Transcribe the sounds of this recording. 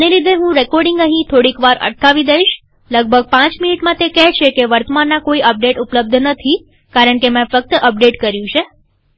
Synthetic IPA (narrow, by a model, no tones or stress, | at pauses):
əneɾit̪̬eɦũɾekɔɾɖiŋɡə̃ɦĩt̪ʰoɽikʋaɾʔə̰ʈ̚kaʋid̪əiʃ | ləɡ̚bʱəɡ̚pãt͡ʃminiʈmãt̪ekɛɦt͡ʃʰekeʋəɾt̪əmanːakoiʔəp̚ɖeʈupləb̚d̪ʱnət̪ʰi | kaɾəɳkemãfək̚t̪əʔəp̚ɖeʈkəɾjũt͡ʃʰe